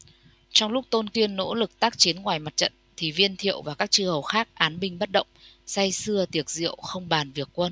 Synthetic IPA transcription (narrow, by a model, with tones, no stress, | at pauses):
t͡ɕɔ˧wŋ͡mlʊ˦˥k͡p̚t̪o˧nki˧ənːo̰˧˥lɨ˨˩k̚t̪aː˦˥k̚t͡ɕi˨˦ənŋwaː˨˩jma˨˩t̚t͡ɕə̰˧˨nt̪ʰi˨˩vi˧ənt̪ʰḭ˧˨əwvaː˨˩kaː˦˥k̚t͡ɕɨ˧hə˨˩wxaː˦˥k̚ʔaː˨˦nɓï˧˩ŋ̟ɓə˦˥t̚ɗə̰˧˨wŋ͡msa˧jsɨ˧ət̪i˨˩ək̚zḭ˧˨əwxə˧wŋ͡mɓaː˨˩nvi˨˩əkːwə˧n